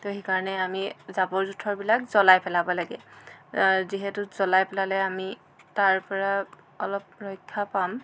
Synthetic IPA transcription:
toɦikaɹɔnɛamizabɔɹzutʰːɔɹbilakzɔlajpɛlabɔlaɡɛ̰ | ziɦɛtʊz̥ɔlajpɛlalɛami | taɹpɔɹa | ɔlɔp̚ɹɔjkʰːapam

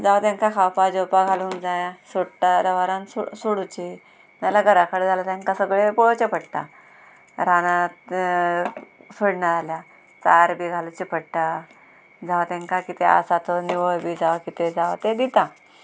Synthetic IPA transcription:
d͡zaʋt̪ãŋkakʰawpad͡ʑopaɡʱaluŋkd͡zajasoɽʈaɾəʋaɾansusuɽut͡ɕi | malaɡəɾakəɽd͡zalat̪jãŋkãsəɡɭepɔɭt͡ɕepəɽʈ̪a̰ | ɾanãt̪ | suɽɳaalja | t͡saɾbiɡʱalut͡ɕipʰəɽʈa | d͡zaʋt̪ẽŋkakit̪ea̰sat̪ɔniʋəjbid͡zaʋkit̪ed͡zaʋt̪ed̪it̪ã

